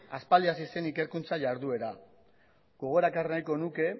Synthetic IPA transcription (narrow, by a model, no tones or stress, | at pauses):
aspald̪iasise̞nike̞ɾkunt͡saʝaɾðue̞ɾa | ɡ̥o̞ɣ̞o̞ɾakarnajko̞nuke̞